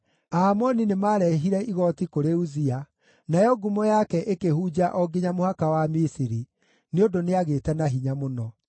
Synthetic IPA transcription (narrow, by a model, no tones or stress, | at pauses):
amɔninemaɾɛɦiɾɛʔiɣɔtikoɾeuzia | najɔɡumɔjakɛʔekehud͡ʑaʔɔɡiɲamohakawamisiɾi | neodoneaɣetɛnaɦiɲamonɔ